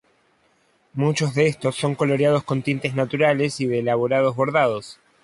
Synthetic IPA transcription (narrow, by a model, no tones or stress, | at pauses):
mut͡ʃo̞zðeest̪o̞sːo̞ŋko̞lo̞ɾjað̞o̞sko̞nt̪int̪e̞znat̪uɾale̞siðeːlaβoɾað̞o̞zβo̞ɾðað̞os